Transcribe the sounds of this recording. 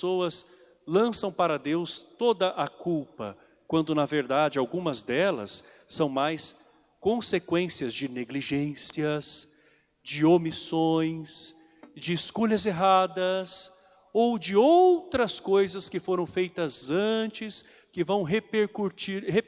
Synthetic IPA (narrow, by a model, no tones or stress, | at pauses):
oɐs | lɐ̃sɐ̃w̃paɾɐd̪ewst̪od̪ɐʔɐkuwpɐ̰ | kwɐ̃nd̪ʊnɐveɾd̪ad͡ʒɪawɡũmɐzd̪ɛlɐ̰sːɐ̃w̃majs | kõsekwẽsiɐzd͡ʒɪneɡliʒẽsiɐs | d͡ʒɪomisõj̃s | d͡ʒɪːskoʎɐzeɦad̪ɐs | owd͡ʒɪowt̪ɾɐskojzɐskɪfoɾɐ̃w̃fejt̪ɐzɐ̃t͡ʃɪs | kɪvɐ̃w̃ɦepeɾkuɾt͡ʃiɾhe